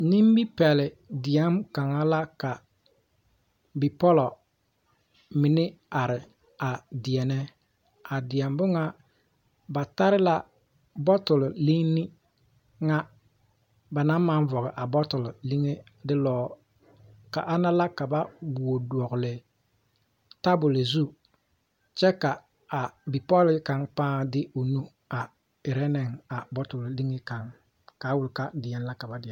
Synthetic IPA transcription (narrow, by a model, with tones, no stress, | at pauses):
ni˦m˦bi˦pɛ˨lɪ˨ | dɪ˨ɛ˦mka˨ŋa˦la˦ka˨ | bi˨pɔ˦lɔ˨ | mɪ˨nɪ˦a˨ɾɪ˨ | a˨dɪ˨ɛ˨nɛ˦ | a˨dɪ˨ɛ˨mbʊ˦ŋa˦ | ba˨ta˦ɾɪ˦la˦ | bɔ˦tʊ˨lli˦ŋnɪ˦ | ŋa˦ | ba˨na˦mːa˦ɱ˦vɔ˨ɣɪ˨ʔa˨bɔ˦tʊ˨lli˦ŋe˦ | dɪ˦lɔː˨ | ka̰˨ʔa˦na˦la˦ka˨ba˦bu˨o˨du˨ɔ˨ɣʊ˨lɪ˨ | ta˦bʊ˨le˨zu˦ | t͡ʃɛ˦ka˨ | a˨bi˨pɔ˦lɪ˨˦ka˨ŋpãː˦dɪ˦o˨nu˦ | a˨ | ɪ˨ɾɛ˦nɛ˨ŋa˨bɔ˦tʊ˨lli˦ŋe˦ka˨ŋ | kaː˨˦wʊ˨lka˦dɪ˨jɛ˦n˦la˦ka˨ba˦dɪ˨